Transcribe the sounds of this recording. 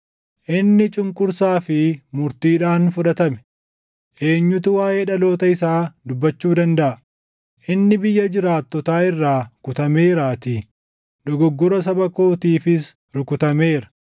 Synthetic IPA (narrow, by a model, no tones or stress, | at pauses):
ʔɪnːɪt͡ʃʼʊŋkʼʊɾsaːfɪmʊɾt̪iːᶑaːnfʊᶑɐt̪ɐmɛ̥ | ʔe̞ːɲːʊt̪ʊwaːje̞ːᶑɐlo̞ːt̪ɐɪsaːd̪ʊbːɐt͡ʃːuːd̪ɐnd̪ɐʔɐ | ʔɪnːɪbɪjːɐd͡ʒɪɾaːt̪ːɔt̪aːɪrːaːkʊt̪ɐme̞ːɾaːt̪ɪ | ᶑ̪ɔɡɔɡːʊɾɐs̬ɐbɐko̞ːt̪iːfɪs | ɾʊkʊt̪ɐmeːɾɐ̥